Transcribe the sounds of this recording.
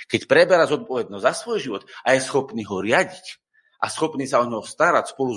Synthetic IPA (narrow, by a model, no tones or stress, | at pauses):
kɛcpɾɛbɛɾazɔt̪̚pɔʋɛd̪̚nɔzzasʋɔjʒiʋɔt̪ajɛsxɔpniːɦɔɾɪaɟic | ʔasxɔpniːsaɔɲɔst̪aɾacspɔlu